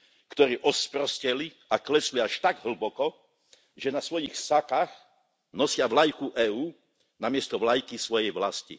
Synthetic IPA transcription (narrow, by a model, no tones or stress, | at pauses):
kt̪ɔɾiːʔɔspɾɔscɛli | aklɛsliaʃt̪aɡɦl̩bɔkɔ | ʒɛnasʋɔjixsakax | nɔsɪaʋlajkuʔɛːuː | namɪɛst̪ɔʋlajkisʋɔjɛjʋlascḭ